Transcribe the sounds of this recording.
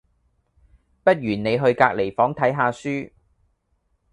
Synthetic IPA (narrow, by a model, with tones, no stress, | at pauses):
pɐ˥t̚ɥyː˨˩nne˨˧jɦɵ˧ɥkaː˧k̚le˨˩jfɔː˨˥ŋt̪ʰɐ˨˥jɦaː˨˧syː˥